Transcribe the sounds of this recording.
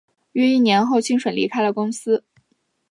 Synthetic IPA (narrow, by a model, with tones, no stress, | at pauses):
ɥɛ˥˧i˥˩njɛ˧˥nxo˥˩ʊt͡ɕʰi˥ŋʂwə˨˩nlḭ˧˥kʰa˥ɪlə˨kʊ˥ŋsɹ̩˥